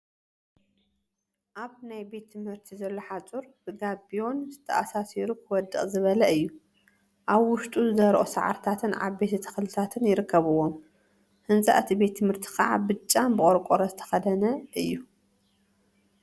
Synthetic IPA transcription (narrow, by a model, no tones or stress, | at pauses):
ʔaβnajbe̞t̪ʰːɨmhɨɾt̪ʰizɐlːo̞ħat͡sʼuɾbɨɡabijo̞nzɨt̪ʰɐʔasasiɾukʰɨwɔd̪ːɨχʼzɨβɐlɐɨjːu | ʔaβwʊʃt̪ʼuzɨzɐɾʔosa̰ʕa̰ɾt̪ʰat̪ʰɨnʕa̰βbe̞t̪ʰɐt̪ʰɨ̥xlɨt̪ʰat̪ʰɨnjɪɾɨkːɐβɨwom | hɨnzʼa̰ʔt̪ʰibe̞t̪ʰːɨmhɨɾt̪ʰi̥xɐ̰ʕa̰bɨt͡ʃʼːambɨχʼoɾkʷʼoɾɐzɨt̪ʰɐ̥xɐd̪ɐnɐʔɨjːu